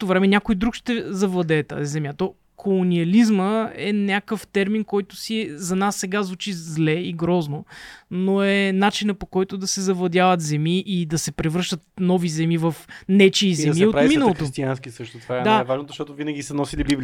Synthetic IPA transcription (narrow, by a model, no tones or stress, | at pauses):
t̪ovɾɛmɛnʲakojd̪ɾukʃt̪ɛzɐvlˠɐd̪ɛːt̪a̰zizɛmjat̪ɔ | kʰolˠoniɐlizməɛnʲakəft̪ɛɾminkɔjt̪ʊsiɛzɐnasːɛɡazvut͡ʃizlɛiɡɾɔznonoɛnat͡ʃinəpokɔjt̪ʊd̪ɐsɛzɐvlˠɐd̪javət̪zɛmiʔid̪ɐsɛpɾɛvɾɤʃt̪ət̪̚nɔvizɛmivɐfnɛt͡ʃiːzɛmiɛoɾaiminɐlˠot̪ost̪ianskisɤʃt̪ot̪vaɛd̪aɛvaʒnozɐʃt̪ɔt̪ovinɐɡʲisɐnɔsilibibli